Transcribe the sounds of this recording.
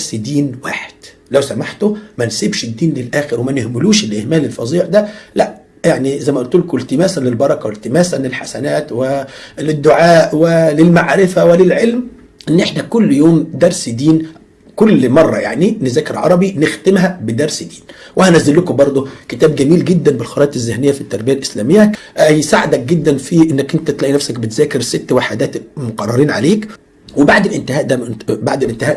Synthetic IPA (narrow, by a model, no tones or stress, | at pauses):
sd̪iːnwa̰ːħe̥d̪̥ | læwsæmaħt̪omænsibʃɪd̪ːiːnlelʔæːxɪɾwemænehmɪluːʃɪlʔehmæːlelfɑ̰zˤiːʕd̪ælæʔ | jaʕnizæjmæʔlt̪uːlkelt̪ɪmæːsænlɪlbɑɾˤɑkɑwelt̪ɪmæːsænlelħasænæːt̪welɪd̪ːoʕaːʔwelɪlmaʕɾɪfæwelɪlʕelm | ʔenːʔeħnækʊlːjoːmd̪ɑɾˤsd̪iːn | kʊlːmɑrˤːɑ̰jaʕninɪzæːkeɾʕɑ̰ɾˤɑbinɪxt̪ɪmɦæbɪd̪ɑɾˤsd̪iːnwʔæhænæzːɪlːʊkobɑɾˤd̪ˤoket̪æːb̚ɡæmiːlɡed̪ːænbɪlxɑɾˤɑːt̪ezːehnɪjːæfit̪ːɑɾˤbɪjælʔɪslæːmejːæ | jsaʕɪd̪æk̚ɡed̪ːænfiʔenːækʔɪnt̪æt̪læʔinæfsækbet̪zæːkɪɾsɪt̪ːwaħad̪æːt̪moqɑrˤːɑɾiːnʕa̰leːk | webaʕd̪ɪlʔɪnt̪ɪæːʔd̪æbaʕd̪ɪlʔɪnt̪ɪæːʔ